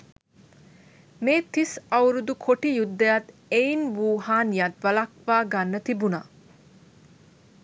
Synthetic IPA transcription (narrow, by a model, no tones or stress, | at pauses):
meːt̪isɐwɾud̪ukʰoʈijud̪ːəjat̪ | einʋuːɦaːnjat̪ʋɐlɐkʋaːɡanːət̪ibuna̰